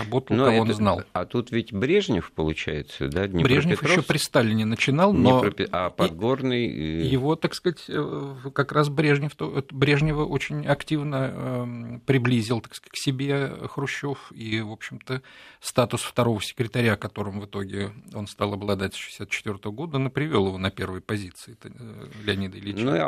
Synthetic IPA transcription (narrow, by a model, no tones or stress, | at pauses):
ɐbo̞t̪əlˠnukɐvoozna̰lɐt̪ut̪vʲɪtʲbɾʲeʐnʲɪfpəlˠʊt͡ɕæ̰jɪt̪sə̰d̪anʲɪbɾʲeʐnʲɪfjɪɾɕːopɾʲɪst̪alʲɪnʲɪnət͡ɕɪnɑlˠno̞ppʲɪapɐɡo̞rnɨj̰jɪvo̞t̪akskatʲkɐkɾas̬bɾʲe̞ʐnʲɪft̪ot̪bɾʲe̞ʐnʲɪvəʔot͡ɕɪnʲɐktʲivnə | pɾʲɪblʲizʲɪlˠt̪akskḁtʲksʲɪbʲexɾʊɕːo̞fivo̞pɕːɪmt̪əst̪at̪ʊsft̪ɐɾo̞vəsʲɪ̥kɾʲɪt̪ɐɾʲakɐt̪o̞ɾəmvɨt̪o̞ɡʲɪo̞nst̪alˠɐblˠɐd̪atʲsʲʂɨ̥ɪ̥sʲat̪t͡ɕːɪt̪vʲo̞rt̪əvəɡo̞d̪əonɨpɾʲɪvʲo̞lˠjɪvo̞nɐpʲe̞rvəjpɐzʲit̪sɨɪlʲɪɐnʲid̪əɪlʲit͡ɕ